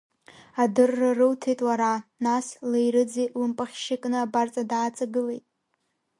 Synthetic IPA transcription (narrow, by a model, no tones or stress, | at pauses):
adɨrːarɨwtʰejtʼwaɾanaslejɾɨd͡zejlɨmpʼaχʲʃɪkʼnɨabart͡sʼadaːt͡sʼaɡɨle̞jtʼ